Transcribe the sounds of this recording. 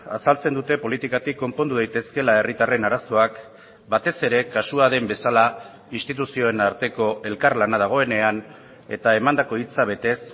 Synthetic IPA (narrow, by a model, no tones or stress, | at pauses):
asalt͡se̞nd̪ut̪e̞po̞lit̪ikat̪ikːo̞mpo̞nd̪uð̞eajt̪e̞ske̞lae̞rit̪are̞naɾaso̞ak | bat̪e̞se̞ɾe̞kasuaðe̞mbe̞sala | inst̪it̪usio̞enaɾt̪e̞ko̞e̞lkarlanað̞aɣ̞o̞e̞ne̞an | e̞̰t̪ae̞mand̪ako̞it͡saβ̞e̞t̪e̞s